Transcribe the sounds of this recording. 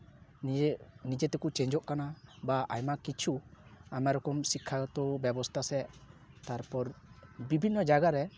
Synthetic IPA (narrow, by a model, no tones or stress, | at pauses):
nid͡ʒɛt̪ɛkut͡ʃɛ̃ɲd͡ʒɔʔkanabaʔajmakit͡ʃʰuamaɾɔkɔmsikʰːat̪ɔbɛbɔst̪ʰasɛt̪aɾpɔɾbibʱinːɔd͡ʒaɡaɾɛ